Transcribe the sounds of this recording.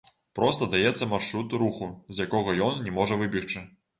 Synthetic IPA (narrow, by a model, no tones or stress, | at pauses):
pɾɔst̪ɐd̪ajɛt̪sːɐmarʂɾut̪ɾuxuzʲjakɔɣɐjɔnnʲɛmɔʐɐvɨbʲixt͡ʂɨ